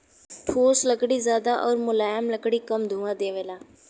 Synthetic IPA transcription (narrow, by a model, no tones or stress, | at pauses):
pʰoːsləkɽiːzjaːd̪aːʔɔːɾmʊlaːjəmləkɽiːkəmd̪ʱũːãːd̪eːʋeːlaː